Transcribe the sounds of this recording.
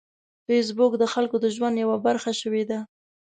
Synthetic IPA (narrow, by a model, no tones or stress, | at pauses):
fes̬bʊkd̪əxalkod̪əʒwand̪jawabaɾxaʃəwed̪a